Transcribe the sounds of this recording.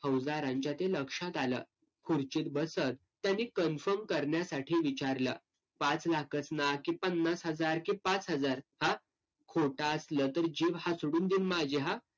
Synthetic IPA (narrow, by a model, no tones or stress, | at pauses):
həwd͡zaɾãɲt͡ɕat̪eləkʂãt̪alə̰ː | kʰuɾt͡ɕit̪̚bəsət̪ːjanːiːkənfəɾmkəɾɳjasaʈʰiːʋit͡ɕaɾlə̰ | pãt͡slakət͡snakĩpənːasɦəd͡zaɾkĩpat͡sɦəd͡zaɾhã | kʰoʈaəsləːt̪əɾd͡ʑeʋɦasuɽuːnd̪iːnmad͡ʑeɦa